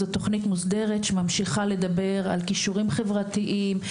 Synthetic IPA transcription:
zot̪o̞χnitmusde̞ʁetʃemamʃiχale̞d̪abe̞ʁa̰lkiʃuʁimχe̞vʁatiʔim

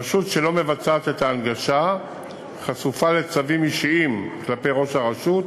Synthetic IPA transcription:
ʃutʃe̞lo̞me̞vat͡saːt̪et̪aːnɡaʃa | χasufale̞t͡savimiʃiimklape̞jʁo̞ʃaʁaʃut̪

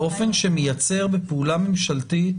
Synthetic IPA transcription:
o̞fe̞nʃemejat͡se̞ʁbepeulamemʃalti

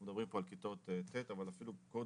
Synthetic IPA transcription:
med̪abʁimpoalkit̪o̞t̪et̪et̪avalafiluko

